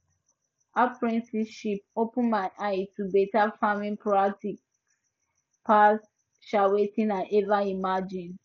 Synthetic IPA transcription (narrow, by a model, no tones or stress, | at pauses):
apɹĩnsiʃipopũmãnʔaitubetafamĩnpɹak̚tik | pʰas | ʃawetĩnãʔɛvaimad͡ʒĩn